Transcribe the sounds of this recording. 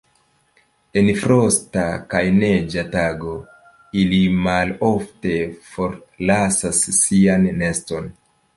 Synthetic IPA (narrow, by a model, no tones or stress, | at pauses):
e̞nfɾo̞stakajne̞d͡ʒataɡo̞ | ilimalo̞fte̞fo̞ɾlasasːianːe̞sto̞n